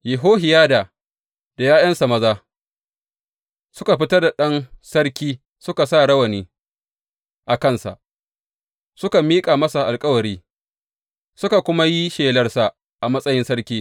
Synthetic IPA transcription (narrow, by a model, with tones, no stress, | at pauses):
jɪ˨ɦoː˦ɦɪ˨jaː˦daː˨ | d̥a˨jaː˦jɐ˦nsa˨mɐ˦zaː˦ | sʊ˦ka˨ɸɪ˦tɐ˦rda˨ɗɐ˦nsɐ˦ɽkʲiː˦ | sʊ˦ka˨sa˦˨ɽɐ˦wɐ˨niː˦ | ʔa˨kɐ˦nsa̰˨ʔ | sʊ˦ka˨miː˦kʼaː˨mɐ˦sa˨ʔa˨lkʼɐ˦wɐ˨ɾiː˦ | sʊ˦ka˨kʷʊ˦ma˦ji˦ʃeː˨lɐ˦rsa˨ | ʔa˨mɐ˦sʼɐ˦jɪ˦nsɐ˦ɽkʲiː˦